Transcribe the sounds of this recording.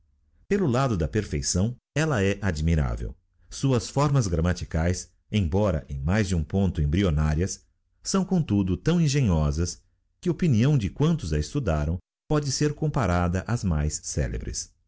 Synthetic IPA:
pelʊlad̪ʊd̪ɐpeɾfejsɐ̃w̃ | ɛlɐɛʔad͡ʒmiɾa̰vḛw | suɐsfɔɾmɐzɡɾɐmat͡ʃikajs | ẽj̃bɔɾɐ̰ʔẽj̃majzd͡ʒɪũpõnt̪ʊẽbɾionaɾiɐs | sɐ̃w̃kõt̪ud̪ʊt̪ɐ̃w̃ĩʒẽɲɔzɐs | kɪopiniɐ̃w̃d͡ʒɪkwɐ̃nt̪ʊzɐɪst̪ud̪aɾɐ̃w̃ | pɔd͡ʒɪseɾkõmpaɾad̪ɐʔɐzmajsːɛ̰lḛbɾɪ̰s

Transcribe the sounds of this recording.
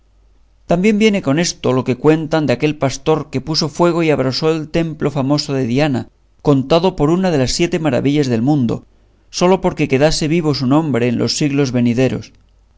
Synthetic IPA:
t̪ambje̞mbje̞ne̞ko̞ne̞st̪o̞lo̞ke̞kwe̞nt̪and̪eake̞lpast̪o̞ɾke̞puso̞fwe̞ɣ̞o̞iaβ̞ɾaso̞elt̪e̞mplo̞famo̞so̞ðe̞ðiana̰ | ko̞nt̪aðo̞po̞ɾunað̞e̞lasːje̞t̪e̞maɾa̰βiʎazðe̞lmũnd̪o̞̰ | so̞lo̞po̞ɾke̞ke̞ðase̞βiβ̞o̞sunõ̞mbɾe̞ːnlʔo̞̰sːiɣlo̞zβe̞niðe̞ɾo̞̰s

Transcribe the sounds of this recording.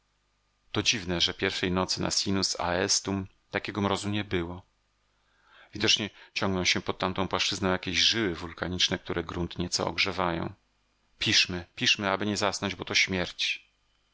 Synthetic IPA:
t̪ɔd͡ʑivnɛʐɛpʲjɛɾfʂɛjnɔt̪sɘnʔa̰sʲinusa̰ɛst̪um | t̪akʲɛɡɔmɾɔzuɲɛbɘwɔ | vʲid̪ɔt͡ʂɲɛt͡ɕɔŋɡnɔ̃w̃ɕɛpɔt̪̚ːamt̪ɔ̃w̃pwaʂt͡ʂɘznɔ̃w̃jakʲeʑʐɘwɘvulkaɲit͡ʂnɛk̚t̪uɾʔɛɡɾunt̪ɲɛt̪sɔ̰ɔ̰ɡʐɛvajɔ̰̃w̃ | pʲiʂmɘpʲiʂmɘabɘɲɛzasnɔɲd͡ʑbɔt̪ɔɕmʲjɛɾt͡ɕ

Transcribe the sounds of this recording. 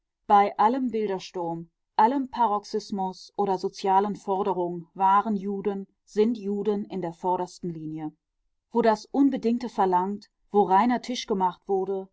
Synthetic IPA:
b̥aɪʔaləmbɪldɐʃtʊɐm | ʔaləmpʰaʁɔksɪsmʊsʔoːɾɐzot͡sjaːlənfɔɐdəʁ̞ʊŋənvaːʁənjuːdən | z̥ɪntjuːdənɪndeːɐfɔɐɾɐstn̩liːnjə | v̥oːdasʔʊnbədɪŋktəfɛɐlaŋt | v̥oːʁaɪnɐtʰɪʃɡ̥əmaχtv̥ʊɐdə

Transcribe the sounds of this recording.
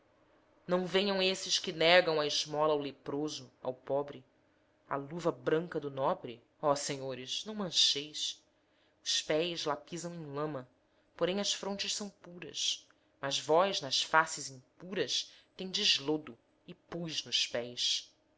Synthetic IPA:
nɐ̃w̃vẽɲɐ̃w̃esɪʃkɪnɛɡɐ̃w̃ɐɪʒmɔlɐawlepɾozʊa̰wpɔbɾɪ | a̰luvɐbɾɐ̃ŋkɐd̪ʊnɔbɾɪ | ɔseɲoɾɪznɐ̃w̃mɐ̃ʃejs | ʊ̥ʃpɛjzlapizɐ̃w̃ẽj̃lɐ̃mɐ | poɾẽj̃ɐʃfɾõt͡ʃɪʃsɐ̃w̃puɾɐ̰s | mɐzvɔjznɐʃfasɪzĩŋpuɾɐʃt̪ẽj̃d͡ʒɪʒlod̪ʊ | ɪpujznʊʃpɛjs

